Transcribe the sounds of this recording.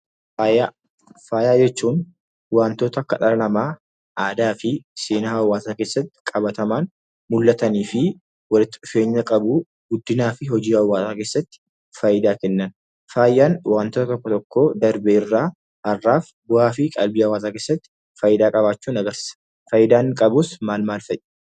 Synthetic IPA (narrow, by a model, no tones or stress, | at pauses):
aa | faːjaːd͡ʒɛt͡ʃːuːn | waːnt̪oːt̪ɐkɐᶑɐlɐnɐmaː | aːd̪aːfɪseːnaɐwːaːsaːkeːsːɐt̪ːɪ̥kʼɐbɐt̪ɐmaːn | mʊlːɐt̪ɐniːfɪ | wɐlɪt̪ːɪᶑʊfe̞ːɲːɐkʼɐbu | ɡ̥ʊd̪ːɪnaːfɪɦɔd͡ʒiːɐwːaːsaːke̞ːsːɐt̪ːɪ̥ | fɐjɪd̪aːkɛnːɐn | faːjːaːnwaːnt̪oːt̪t̪ɔkːɔt̪ɔkːo̞ːd̪ɐɾbɛɪrːaː | ɐrːaːf | bʊʔaːfɪkʼɐlbiːɐwːaːsaːke̞ːsːɐt̪ːɪ̥ | fɐːjɪd̪aːkʼɐβaːt͡ʃːuːnɐɡɐɾsɪ̥ːsɐ̥ | fɐjɪd̪aːŋkʼɐbʊsmaːlmaːlfɐʔɛ̥